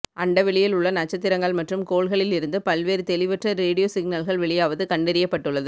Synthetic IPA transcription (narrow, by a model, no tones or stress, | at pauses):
ʔɐɳɖɐʋɛɭɪjɪlʊɭːɐnɐt͡ʃːɐt̪ːɪɾɐŋɡɐɭmɐʈrɯmkoːɭɣɐɭɪlɪɾɯnd̪ɯpɐlʋeːɾɯt̪ɛlɪʋɐʈrɐɾeːɽɪjoːsɪɡnɐlɣɐɭʋɛɭɪjaːʋɐðɯkɐɳɖɛɾɪjɐpːɐʈːɯɭːɐðɯ